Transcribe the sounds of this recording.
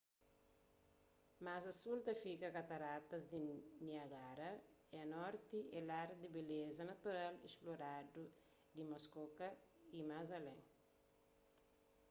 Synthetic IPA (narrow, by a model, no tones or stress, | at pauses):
mazɐsult̪ɐfikɐkat̪ɐɾat̪ɐzd̪iniɐɡaɾɐɛɐnɔɾt̪iɛlaɾd̪ibelezɐnɐt̪uɾalḭsploɾadu | d̪imoskokɐimazɐlɛ̃ŋ